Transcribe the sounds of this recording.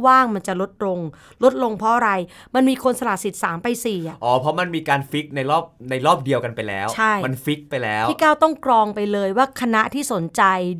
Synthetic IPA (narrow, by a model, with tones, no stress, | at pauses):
waː˥˩ŋma˧nt͡ɕa˨˩lo˦˥t̪̚lo˧ŋ | lo˦˥t̪̚lo˧ŋpʰɔ˦ʔa˧ɾa˧j | ma˧nmiː˧kʰo˧nsa˧laː˨˩t̪̚si˨˩t̪̚saː˩˦mpa˧jsiː˨˩a˨˩ʔɔː˨˩pʰɾɔ˦˥ma˧nmiː˧kaː˧nfi˦˥k̚na˧jɾɔː˥˩p̚na˧jɾɔː˥˩p̚di˧əwka˧npa˧jlɛ̰ː˦˥wt͡ɕt͡ɕʰa˥˩jma˧nfi˦˥k̚pa˧jlɛː˦˥wʰi˥˩kaː˥˩wt̪ɔ˥˩ŋkɾɔː˧ŋpa˧jlɤː˧jwaː˥˩kʰa˧na˦˥ʔt̪ʰiː˥˩so˩˦nt͡ɕa˧j